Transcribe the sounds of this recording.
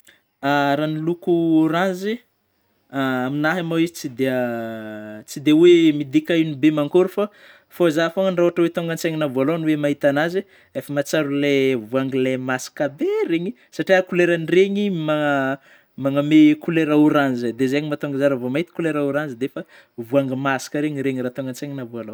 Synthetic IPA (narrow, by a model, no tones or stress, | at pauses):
aɾanilukuoɾãnzi | aaminaɦamawizit͡sid̪e | t͡sid̪ewemid̪ikainibemaŋkoɾufa | fozafoŋənraoaʈ͡ʂəwet̪oŋɡant͡seŋinavualonuwemaɦit̪anaze | efəmat͡saɾulevuaŋɡilemasi̥kabeɾeɲi | saʈ͡ʂiakuleɾanireɲima | maŋamekuleɾauɾanzad̪ezeɲimat̪oŋɡazaɾavomaɦit̪i̥kuleɾauɾanzid̪efə | vuaŋɡəmasi̥kəɾeɲiɾeɲirat̪oŋɡant͡seɲinavualo